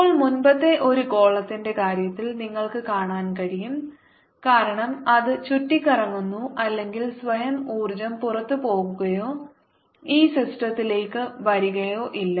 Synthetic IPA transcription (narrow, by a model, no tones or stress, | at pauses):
oːɭmunbɐt̪ːe̞ʔo̞ɾuko̞ːɭːɐt̪ːinde̞kaːɾjɐt̪ːilniŋːɐɭkɨkaːɳaːnkɐɽijum | kaːɾɐɳɐmɐðɨt͡ɕutːikʲːɐrɐŋːunːuʔɐlːe̞ŋɡilsʋɐjɐmuːrd͡ʑɐmpurɐt̪ːɨpo̞ːɣuɣɐjo̞ː | iːsisʈrɐt̪ːile̞ːkːɨʋɐɾiɣɐjo̞ːʔilːɐ